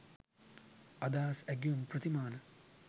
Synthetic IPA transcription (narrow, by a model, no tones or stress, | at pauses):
ɐd̪aːsɛɡjumprət̪imaːnə